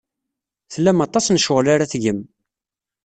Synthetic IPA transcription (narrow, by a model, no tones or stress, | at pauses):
θəlːæmɑt̪ˤɑsnʃʊʁlaɾaθʝəm